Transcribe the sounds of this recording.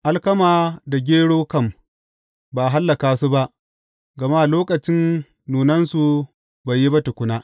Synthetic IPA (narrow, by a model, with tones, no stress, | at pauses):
ʔa˦lkɐ˦maː˨da˨ɡʲeː˦ɽoː˦kɐ˦m | ba˨ɦa˦lːɐ˨kaː˨su˦ba˦ʔ | ɡɐ˨ma˦˨loː˦kɐ˨t͡ʃɪ˦nː | uː˨nɐ˦nsu˨ | ba˨jːi˦bɐ˦tʊ˨kʷʊ˦naː˦ʔ